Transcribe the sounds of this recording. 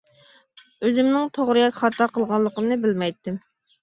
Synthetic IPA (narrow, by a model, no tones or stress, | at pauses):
øzɪmnɪŋt̪ʰoʁɾɨjɑkʲχɑt̪ʰːɑqʰəlˠʁɑlˠːəqəmnɨbɪlmɛjt̪ːɪm